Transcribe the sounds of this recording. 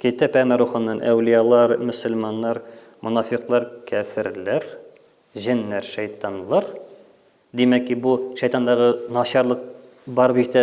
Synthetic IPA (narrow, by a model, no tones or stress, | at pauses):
kæjt̪æpæmæɾuχɑnːɑnʔæ̰wlijɑlˠɑɾmɵ̆sɵ̆lmɑnːɑɾ | mŏnɑfiqlˠɑɾkʰæfɘ̆ɾlæɾ | ʑænːæɾʃæjt̪ɑnlˠɑɾ | d̪imækːibuʃæjt̪ɑnd̪ɑʁɤnɑɕɑɾlˠɤq | bɑɾbit̪æ